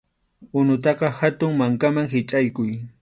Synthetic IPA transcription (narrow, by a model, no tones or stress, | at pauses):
ʊnʊt̪ɑqɑhat̪ʊŋmaŋkamaŋɦɪt͡ʃʼajkʊj